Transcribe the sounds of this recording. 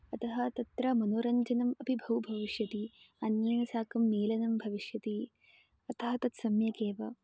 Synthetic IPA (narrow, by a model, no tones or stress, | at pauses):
ɐt̪ɐɦɐt̪ɐt̪ɾɐmɐnoːɾɐɲd͡ʒɐnɐmɐpibʱɐwbʱɐʋiʃjɐt̪i | ɐnjɐːnɐsaːkɐmːeːlɐnɐmbʱɐʋiʃjɐt̪i | ɐt̪ʰɐɦɐt̪ɐt̪sɐmjɐkeːʋɐ